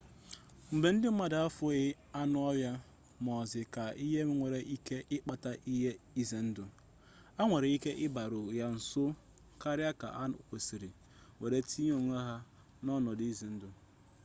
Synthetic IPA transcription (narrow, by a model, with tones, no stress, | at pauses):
m̩˨be˨n̩˦dɪ˦m̩˦ma˦da˨a˦fʊ˦ɣɪ˦ | a˦nʊ˦a˦bja˦ | mɔ˨zɪ˨ka˨i˦ɦe˦m˦ŋʷe˨ɾe˨ʔi˦ke˦ʔɪ˦k͡pa˨ta˦ʔi˦ɦe˦i˦ze˨n̩˦dʊ˨ | a˦ŋʷe˨ɾe˨i˦ke˦ʔɪ˦ba˨ɾʊ˨ja˦n̩˨sʊ˦ | ka˦ɾja˦ka̰˨ʔa˦o˨si˨ɾi˨ | ŋʷe˨ɾe˨tʰi˦ɲ˦o˨ŋʷ˦a˦ɦa˦ | nɔ˦nɔ˨dze˨n̩˦dʊ˨